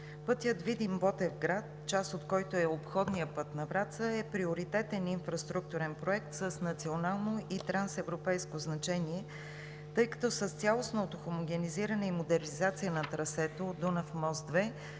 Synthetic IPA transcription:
pɤt̪jət̪vid̪imbɔt̪ɛvɡɾat̪t͡ʃast̪ot̪kɔjt̪oɛopxɔd̪nijəpɤt̪nɐvɾat̪səɛpɾioʊɾit̪ɛt̪ɛninfɾɐst̪ɾuk̚t̪uɾɛnpɾoɛk̚t̪səsnɐt̪sionalˠnoit̪ɾansɛvɾopɛjskoznɐt͡ʃɛniɛ | t̪ɤjkɐ̥t̪ɔsəst̪sʲjalˠosnoːt̪oxomoɡʲɛniziɾənɛimod̪ɛɾnʲizat̪sijənɐt̪ɾɐsɛt̪od̪onɐfmɔzd̪vɛ

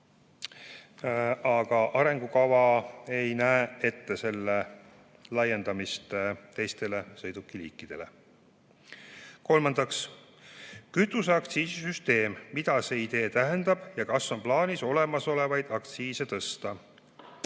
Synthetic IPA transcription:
ɑɡ̥ɑʔɑɾe̞ŋɡ̥ukɑvɑe̞jnæee̞t̪ːe̞se̞lːe | lɑje̞nd̪̥ɑmist̪et̪e̞jst̪e̞le̞sɤ̞jd̪̥ukːˑilḭːkːˑid̪̥e̞le̞̰ | ko̞lmɑnd̪̥ɑks | kyt̪ːˑuseɑk̚t̪siːsisyst̪e̞ːmmid̪̥ɑse̞ːid̪e̞ːt̪æɦend̪̥ɑb̥jɑkɑsːo̞nmplɑːniso̞le̞mɑso̞le̞vɑjd̪̥ɑk̚t̪siːse̞t̪ɤst̪ɑ

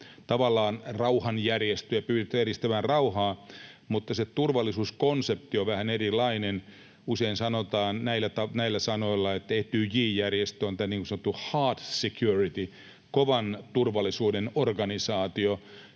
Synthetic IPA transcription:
t̪ɑʋɑlːɑːnrɑuhɑnjærjest̪øjɑpyːɾit̪ːæeɾist̪æʋænrɑuhɑːmut̪ːɑset̪urʋɑlːˑisuːskonsep̚t̪ioʋæhænerilɑinen | useinsɑnot̪ɑːnnæilæt̪ɑnæilːæsɑnoilːɑet̪t̪eht̪yːjiːjærjest̪øont̪æniŋkusɑnŏt̪ːuhɑːt̪sekjurit̪i | koʋɑnt̪urʋɑlːˑisuːdenorɡ̥ɑnisɑːt̪io

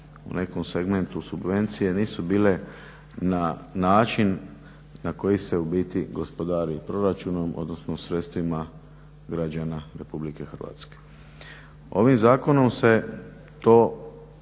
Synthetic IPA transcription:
ṵnʔe̞komseɡme̞nt̪usubʋe̞nt̪sije̞niːsubiːle̞ | nanaːt͡ʃinː | ako̞jiseubiːt̪iɡo̞spo̞d̪aːɾipɾo̞ɾat͡ʃuno̞mo̞̰d̪no̞snosɾe̞t̪st̪ʋima | ɡɾad͡ʑanaɾe̞publike̞xr̩ʋa̰ːt̪ske̥ | o̞ʋimzaːko̞no̞mse̞ | t̪o̞ː

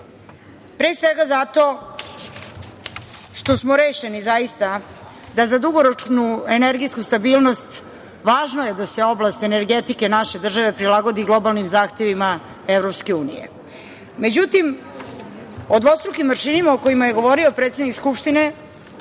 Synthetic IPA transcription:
pɾeːsʋeɡazat̪o̞ | ʃt̪o̞smoɾeːʃenizajist̪a | d̪azad̪uɡoɾot͡ʃnueneɾɡiskust̪abiːlˠno̞st̪ | ʋaːʒnoje̞d̪ase̞oblˠast̪e̞ne̞ɾɡet̪ike̞naʃe̞d̪r̩ʒaʋe̞pɾilˠaɡo̞d̪iɡlˠo̞balˠnimzaːxt̪e̞ʋima | evɾo̞pskeuːnḭje̞̰ | me̞d͡ʑut̪im | od̪ʋo̞st̪ɾukimvəɾʃinimaoko̞imajeɡo̞ʋo̞ɾio̞pɾeːt̪sed̪nikskupʃt̪ine̞

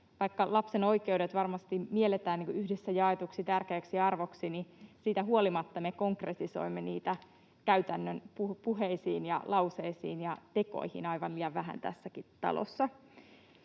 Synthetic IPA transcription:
ʋɑikːɑlɑpseno̞ike̞udet̪ʋɑrmɑst̪imielet̪æːnːiːŋkuyhdesːæjɑet̪uksit̪ærkeːksiɑrʋo̞ksinisiːt̪æɦuolimɑt̪ːɑmeko̞ŋkret̪iso̞̰imːenḭːt̪æ | kæyt̪ænːønpupuɦeisiːnjɑ̰lɑwseisḭːnjɑt̪e̞ko̞̰ihḭnɑiʋɑnliːjɑʋʋæɦæ̰nt̪æ̰sːækit̪ɑ̰lo̰sːɑ

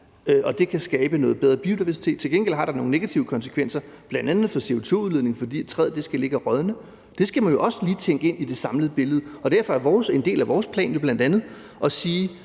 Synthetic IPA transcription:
øʔɒ̽d̥e̝kʰæsɡ̥ɛːb̥ənɔ̽ːð̩ˠb̥eðˠʁɐbio̝d̥iʋæɐsi̥t͡sʰe̝ːd̥̚t͡sʰe̝lɡ̥enɡ̥el̰ɦɑ̈ɾ̥ɑ̈no̝ŋne̝ɡ̥æt͡sʰiʊəkʰɒ̽nsə̥kʰʋen̰sɐb̥lænd̥ænð̩ˠfɒ̽se̝o̝t͡sʰo̝̰uðˠeðˠne̝ŋfɒ̽d̥ḭːe̥t͡sʰʁɛð̰ˠd̥e̝sɡ̥æle̝ɡ̥æʁɒðˠnə | d̥e̝sɡ̥æmænjo̝ʔɒ̽səliːt͡sʰeŋ̰ɡ̥əe̝n̰id̥e̝sɑ̈mləð̩ˠb̥e̝ləðˠɒ̽d̥æɐ̰fɒ̽æɐʋɒːse̝nd̥e̝̰ːlæʋɒːspʰlɛ̰ːnjo̝b̥lænd̥ænð̩ˠ | ʔɒ̽siː

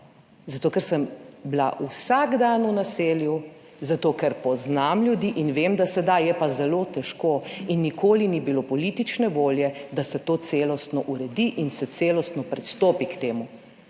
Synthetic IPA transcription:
zat̪oːkɛɾsəmblaʔusaɡd̪anunaseːlju | zat̪oːkɛɾpɔznamlʲjud̪iʔinʋemd̪asɛd̪ajjɛpazɛloːt̪ɛʃkoːinːikoːlinibilopɔlit̪it͡ʃnɛʋoːljɛd̪asɛt̪oːt̪seːlɔst̪nɔʔuɾɛd̪iʔinsɛt̪seːlɔst̪nɔpɾɛt̪st̪oːpikt̪eːmu

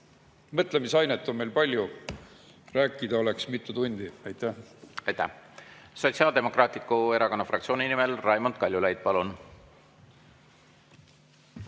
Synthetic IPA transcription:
mɤt̪ˑlemisɑjnet̪ːˑo̞nmejlpɑlʲju | ræːkːˑid̪̥ɑo̞leksmit̪ˑːut̪unʲd̪̥iæjt̪ːæhɑjt̪ːæ̰hso̞t̪ʲsiɑːld̪̥e̞mo̞krɑːt̪ˑit̪̚koe̞ɾɑko̞nːɑfrɑkt̪sioːninimelrɑjmond̪̥kɑlʲjulæjd̪̥̚pɑlun

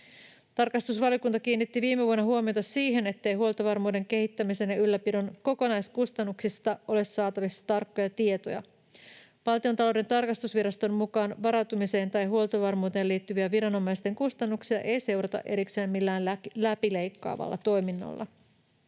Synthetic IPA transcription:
t̪ɑrkɑst̪usʋɑljo̞kunt̪ɑk̟iːnːit̪ːiʋiːmeʋuonːɑɦuomijo̞t̪ɑsiːɦe̞ne̞t̪ːe̞jɦuo̞lˠt̪oʋɑrmuːde̞ŋke̞hit̪ːæmiseːnjɑylːæpidonko̞ko̞nɑjskust̪ɑnːuksist̪ɑʔo̞le̞sːɑːt̪ɑʋisːɑ̥t̪ɑrkːo̞jɑt̪ie̞t̪o̞̰jɑ̰ | pɑlt̪io̞nt̪ɑlo̞wde̞nt̪ɑrkɑst̪usʋiɾɑst̪o̞mmukɑːnʋɑɾɑwt̪umise̞ːnt̪ɑjɦuolt̪oʋɑrmuːt̪e̞ːliːt̪ːyʋiæʋiɾɑno̞mːɑjst̪e̞ŋkust̪ɑnːuksiɑʔe̞jse̞wɾɑt̪ɑ̰ʔe̞ɾikseːmmilːæːnlæpile̞jkːɑ̰ːʋɑ̰lːɑ̰t̪o̞jminːo̰lːɑ̰

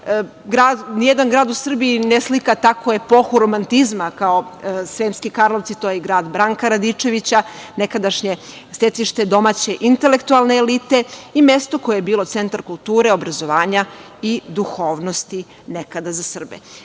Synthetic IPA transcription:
ɡɾaːd̪nijed̪anɡɾaːd̪usr̩biːneslikat̪akojepo̞xuɾomant̪izmakao̞sʋeːmskikaɾlˠoʋt̪sit̪ojeɡɾaːd̪bɾaŋkaɾad̪it͡ʂe̞ʋit͡ɕa | nekad̪aʃɲe | set̪iʃt̪e̞d̪o̞maːt͡ɕe̞ʔint̪elekt̪ualˠneːlit̪e̞imest̪o̞kojejebiːlˠo̞t̪se̞nt̪aɾkulˠt̪uːɾeo̞bɾazo̞ʋaːɲa | id̪uxo̞ːʋnost̪i | nekad̪azasr̩bḛ

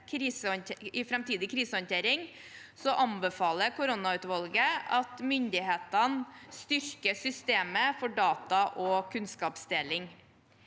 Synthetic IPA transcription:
kʰɾiːsəɔnt̪ʰeɪfɾɛmt̪iːd̪ɪkʰɾiːsəɔnt̪ʰeːɾɪŋ | sɔʔɑmbəfɑːləkʊɾʊnɑʉːt̪ʋɑlɡəɑt̪mʏnd̪ɪheːt̪ɑnst̪ʏɾkəsʏst̪eːməfɔɖɑːt̪ɑʔɔkʰʉnskɑːpsd̪eːlɪŋ

